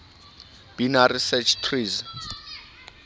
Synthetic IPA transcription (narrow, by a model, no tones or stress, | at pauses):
b̥inarisɛt͡ʃʰtʰriːz